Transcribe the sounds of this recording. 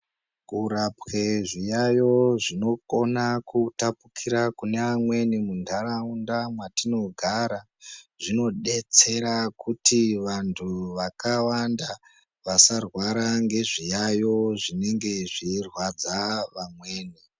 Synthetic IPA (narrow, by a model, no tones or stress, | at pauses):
kuɾapwe̞ʐijajo̞ʐino̞ko̞nakutapukʰiɾakune̞ʋamwe̞nimundʰʱaraundamwatino̞ɡʱaɾa | ʐino̞ɗe̞t͡se̞ɾakutiʋantʰuʋakawanda | ʋasarwaɾaŋɡe̞ʐijajo̞ʐine̞ŋɡe̞ʐirwad͡zaʋamwe̞ːni